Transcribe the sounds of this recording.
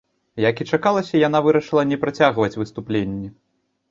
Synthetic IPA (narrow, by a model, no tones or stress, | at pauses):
jakit͡ʂakalˠɐsʲɐjanavɨɾɐʂɨlˠɐnʲɛpɾat͡sʲaɣvɐt͡sʲvɨst̪uplʲenʲːɛ